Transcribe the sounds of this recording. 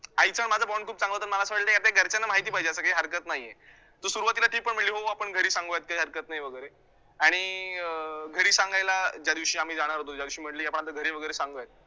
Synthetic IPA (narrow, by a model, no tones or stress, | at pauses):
ait͡səɳmad͡zʱabɔɳɖkʰuːp̚t͡sãŋɡət̪ənməlasəməɽɭt̪ekjat̪aeɡʱəɾt͡ɕanːamaɦit̪iːpaɦid͡ʑeasəkaɦiːɦəɾkət̪naɦjːe | t̪əɾsuɾuʋat̪ilaʈʰiːk̚pəɳm̤əɽliːɦoapəɳɡʱəɾiːsãŋɡojat̪̚kaiɦəɾkət̪naɦiʋəɡəjɾe | aɽ̃i | ɡʱəɾiːsãŋɡajlad͡ʑjad̪iʋɕiːam̤iːd͡zaɽ̃aɾɦot̪od͡ʑjad̪iʋɕiːm̤əʈliːapəɳ̃at̪əɡʱəɾeʋəɡəjɾesãŋɡəjat̪̚